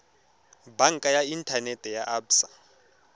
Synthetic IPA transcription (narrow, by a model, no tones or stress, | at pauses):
baŋkʼajaintʰanɛtʰʼɛjaʔabsa